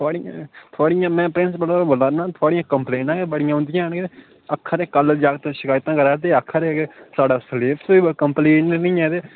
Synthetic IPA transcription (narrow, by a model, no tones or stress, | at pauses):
t̪ʰʊaːɽɪjãːt̪ʰʊaːɽɪjãːmɛ̃ːpɾɪ̃nsbəlabəlaːɾnãːt̪ʰʊaːɽɪjãːkəmpleːɳʈãːɡebəɽɪjãɦʊ̃nd̪ɪjãːənɡe | əkʰːaɾeːkəld͡ʒaːɡt̪ẽːʃɪkaːjt̪ãːkəɾaːt̪eːəkʰːəɾeːɡesaːɖaːsəleːpʰsiːkəmpleːʈnĩːɛ̃ːt̪eː